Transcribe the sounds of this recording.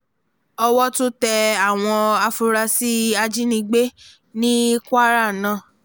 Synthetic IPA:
ɔ˧wɔ˦to˦tɛ˧a˦˨w̃ɔ̃˧a˧fu˧ɾa˧si˦a˧d͡ʒi˦nĩ˧ɡ͡be˦ | nĩ˦kʷa˦ɾa˦˨nã˨

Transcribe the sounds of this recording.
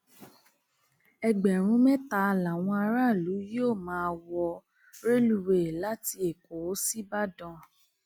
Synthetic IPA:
ɛ˧ɡ͡bɛ˨ɾ̃ũ˨˦mɛ̃˦ta˦˧la˨w̃ɔ̃˧a˧ɾa˦˨lu˨˦joː˦˨mãː˨˦wɔ˧ | ɾe˦lu˧we˨la˨˦ti˧˦e˨ko˨˦si˦ba˦dɔ̃˧˦

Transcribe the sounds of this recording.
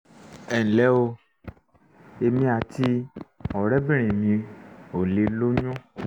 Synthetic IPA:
ɛ˨lɛ˨˦o˧ | e˧mĩ˧a˨ti˧ɔ˨ɾɛ˨˦bĩ˦ɾ̃ĩ˨mĩ˧o˨le˧lo˦ɲũ˦

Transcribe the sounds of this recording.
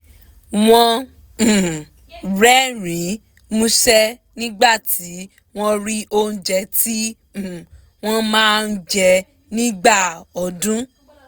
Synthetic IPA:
w̃ɔ̃˧˨ | ɾɛ˦ɾĩ˨˦ | mũ˦ʃɛ˦nĩ˦ɡ͡ba˦˨ti˨˦ | w̃ɔ̃˦ɾi˦o˦n̩˦d͡ʒɛ˧ti˦˨ | w̃ɔ̃˦mãː˦˧n̩˦d͡ʒɛ˧ | nĩ˦ɡ͡ba˦˨ɔ˨dũ˦

